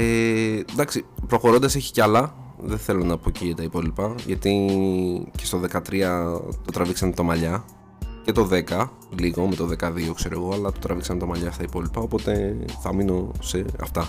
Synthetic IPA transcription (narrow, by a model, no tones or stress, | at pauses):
ed̪ɐksipɾo̞xo̞ɾo̞nd̪ɐseçi̥ceɐlɐ | ðe̞θe̞lo̞nɐpocit̪ɐipo̞lipɐʝɐt̪i | ce̞st̪oðe̞kɐt̪ɾiɐt̪o̞t̪ɾɐviksɐnt̪ɐmɐʎɐ | ce̞t̪o̞ðe̞kɐ | liɣo̞me̞t̪o̞ðekɐðio̞kse̞ɾoɣo̞ɐlɐt̪ot̪ɾʔɐviksɐnt̪ɐmɐʎɐst̪ɐipo̞lipɐopo̞t̪e̞θɐmino̞se̞ɐ̰ft̪ɐ